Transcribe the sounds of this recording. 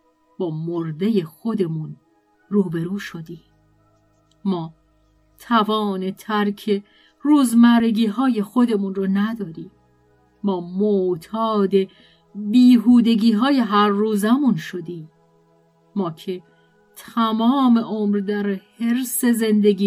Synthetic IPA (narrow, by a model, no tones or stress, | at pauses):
b̥ɒːmoɾd̪e̞je̞xo̞d̪e̞mun | ruːbe̞ɾuːʃod̪iː | mɒː | t̪ʰævɒːne̞t̪ʰæɾcʰe̞ | ruːzmæɾeɡiːɦɒːje̞xo̞d̪e̞munrɒːnæd̪ɒːɾiː | mɒːmot̪ʰɒːd̪e̞ | biːɦuːd̪e̞ɟiːɦɒːje̞ɦæɾːuːzæmunʃo̞d̪iː | mɒːcʰe̞ | t̪ʰæmɒːme̞ʔoːmɾd̪æɾhe̞ɾse̞ze̞nd̪e̞ɡʲiː